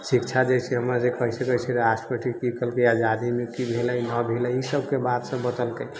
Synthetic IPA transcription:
sikt͡ʃʰad͡ʒajsʰɛɦəmɾad͡ʒekɔɦisəkəɦit͡ʃʰɛɾasʈpəʈʰikikəlkəjad͡ʒad̪imekibʱeləjnəbʱeləisəb̚kebat̪sə̃bəd̪əlkəj

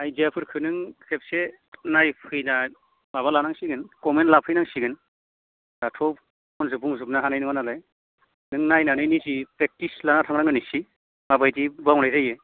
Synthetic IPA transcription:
ajzeapʰɯɾkʰɯnɯŋsep̚se | najpʰɯjna | maβalanaŋsiɡɯnkɔmentlapʰɯjnaŋsiɡɯn | datʰɔ | ɔnzɯbuŋzɯp̚naɦanajnɯŋanalaj | nɯŋnajnanɯjnizipɾek̚tislanatʰaŋɾaŋɡɯnisi | mabajtibawnajzajɯ

